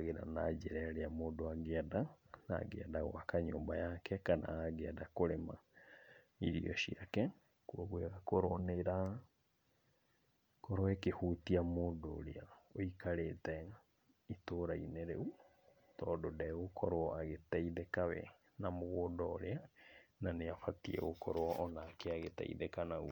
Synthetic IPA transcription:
ɣeɾa̰nad͡ʑɛɾɛɾeamoːndoaɣadana̰ɡḛɛdaɣwakaɲo̰ːmbajakɛkana̰aɣɛɛdakoɾema̰ | iɾḭɔ̰ʃiakɛ | kuɔɣweɣakoɾoneɾa | kɔɾoɛkehutiamoːndo̰ːɾḛaoikaɾeːtɛ | itoːɾaineɾḛu | tɔːdodɛokʰɔɾoɔaɣetaiðekawɛ̰ | namoɣoːdɔːɾeananeafatiɛ̰ɣokɔɾoɔʔɔnaːkeaɣeta̰ḭðekanaṵ

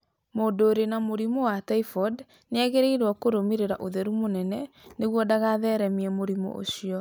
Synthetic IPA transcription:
moːdoːɾenamoɾimɔwataifɔd | neɛɣeɾeiɾwɔkoɾomiɾeɾaʔoðɛɾumonɛnɛ | neɣwɔdaɣaðɛɾɛmiɛmoɾimɔ̰ʔo̰ɕiɔ

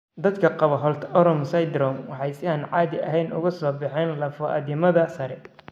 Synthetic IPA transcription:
d̪ɐd̪kʰɐqɑβɐɦɔlt̪ʰɔɾɔmsɐjd̪ɾɔːmwɑħɑjsɪaːnʕɑːðɪɐɦɛjnʔʊ̰ɣʊsɔːbɪħɛnlɐfɔʔɐ̰d̪ɪmɐðɐsɐɾɛ

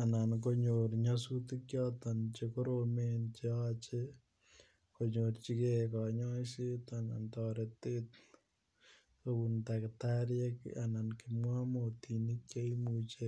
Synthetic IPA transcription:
anank̬oɲoɾɲasut̪ikjɔt̪ant͡ʃekoɾoment͡ʃeat͡ʃe | koɲoɾt͡ʃikekɔɲɔjsit̪anant̪ɔɾet̪et̪ | obunt̪akt̪aɾjekanankimwamot̪inikːjaimut͡ʃe

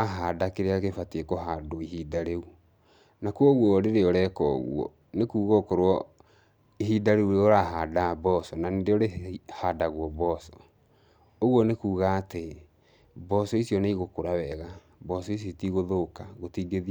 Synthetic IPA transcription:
aɦadakeɾeakefateekoɦadoiɦidaɾeu | nakuɔɣwɔɾeɾeɔɾɛkɔ̰ɣw̰ɔ̰ | nekuːɣɔkoɾwɔ | iɦidaɾeuɾeoɾaɦaːdabɔsɔnanendeɔɾehadaɣwɔbɔsɔ̥ | oɣwɔnekuːɣaːte | bɔsɔisiɔneiɣokoɾawɛɣa | bɔsɔis̬jotiɣoðokaɣotiːɡeði

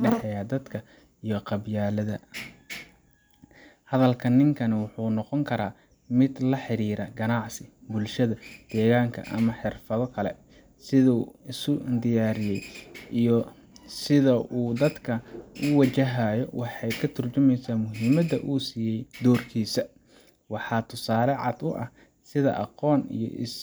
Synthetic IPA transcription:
ɖɛħɛjaːd̪ɐd̪kʰɐ | ijɔqɑbjaːlɐðɐ | hɐðɐlkʰɐnɪŋkʰɐnɐwʊħuːnɔqɔŋkʰɐɾaː | mɪd̪lɐħɪɾiːɾɐɡɐnɑʕsɪbʊlʃɐðɐd̪̥ɛːɣaːŋkʰɐ̰ʔɐ̰mɐħɪrfɐðɔkʰɐlɛ̰ | sɪðuːɪsʊnd̪ɪjaːɾɪjɛjijɔ | sɪðɐʔuːd̪ɐd̪kʰɐʊwɐt͡ʃɐɦaːjɔwʔɑħɑjkʰɐt̪ʰʊrt͡ʃʊmɛjsaːmʊɦɪmɐd̪ɐ̰ʔuːsiːjɛjd̪ɔːrkʰiːsɐ | wɑħɑːt̪ʰʊsaːlɛʕɑ̰d̪ʊʔɐh | sɪðɐ̰ʔɑqɔːnḭjɔ̰ʔɪ̰s

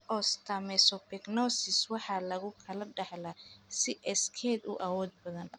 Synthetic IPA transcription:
ʔɔst̪ʰɐmɛsɔpɛɡnɔːsɪswɑħɑːlɐɣʊkʰɐlɐɖɑħlɐsɪʔɛskʰɛd̪ʊ̰ʔɐwɔːd̪̚bɐðɐn

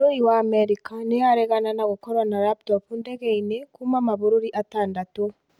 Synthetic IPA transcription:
ɾuɾiwaːmɛɾikanɛjaɾɛɣananaɣokɔɾwanaɾaptɔpundɛɣɛinekumamaβuɾuɾiʔataːndatu

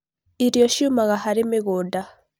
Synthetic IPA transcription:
iɾjoʃumaɣahaɾimiɣuda

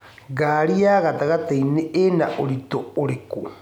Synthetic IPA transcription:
ɡaɾiaɣat̪aɣat̪aineʔenaʔoɾit̪ooɾeku

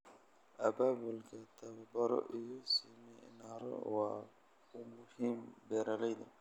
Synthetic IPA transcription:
ʔɐbaːbʊlkʰɐt̪ʰɐβɐbɐɾɔ̰ʔɪjɔsiːmɛjɪ̰naɾɔ̰wɑː | ʊmʊhiːmbɛːɾɐlɛjd̪ɐ

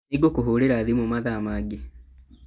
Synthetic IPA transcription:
neɡokoɦoɾeɾaðimomaðaːmaɡe

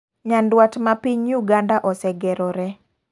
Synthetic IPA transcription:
ɲandwatmapiɲuɡandaʔɔsɛɡɛɾɔɾɛ

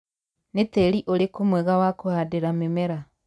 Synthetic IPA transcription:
netɛɾiʔoɾekomwɛɣawakohadeɾamemɛɾa

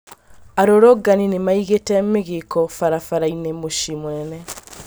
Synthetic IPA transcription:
aɾoɾoɡaninemaiɣetɛmeɣekɔfaɾafaɾainemoʃimonɛnɛ

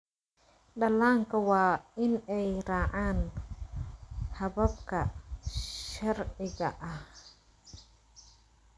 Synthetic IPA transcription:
ɖɐlaːŋkʰɐwɑːɪnɛjraːʕaːn | hɐβɐbkʰɐ | ʃɐrʕɪɣɐ̰ʔɐh

